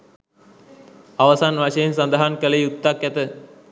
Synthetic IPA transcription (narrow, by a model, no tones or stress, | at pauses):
aʋəsanʋaʃejensand̪aɦankələjut̪ːakæt̪ə